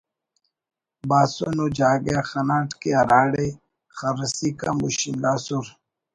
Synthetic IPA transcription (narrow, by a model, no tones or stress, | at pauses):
baːsonod͡ʑaːɡaxɐnaːʈkiɐɾaːɽe | xəɾsika̰mṵɕind̪aːsuɾ